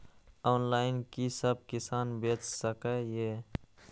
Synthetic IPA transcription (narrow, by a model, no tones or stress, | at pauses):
ɔːnlaːɪnkisəb̚kɪsaːnbeːt͡ʃsəkeje